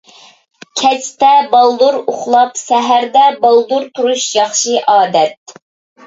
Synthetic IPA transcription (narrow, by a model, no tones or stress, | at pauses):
kʲʰɛt͡ʃt̪ɛbɑlˠd̪uɾoχlˠɑpsɛɦæɾd̪ɛbɑlˠd̪uɾt̪ʰuɾuʃjɑχʃɨʔɑːd̪ɛt̪̚